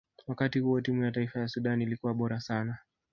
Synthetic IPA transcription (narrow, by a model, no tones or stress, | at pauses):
wakatihuɔtimujataifajasuɗanilikuwaɓɔɾasana